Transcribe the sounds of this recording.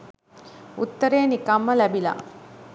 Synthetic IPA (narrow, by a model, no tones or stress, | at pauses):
ut̪ːɐɾeːnikɐmːɐlɐbila̰